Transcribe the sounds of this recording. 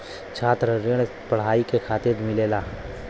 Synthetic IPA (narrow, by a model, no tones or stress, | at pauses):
t͡ʃʰaːt̪ɾəɾɪɽ̃ | pɐɽ̤aːikekʰaːt̪ɪɾd̪mɪleːlaː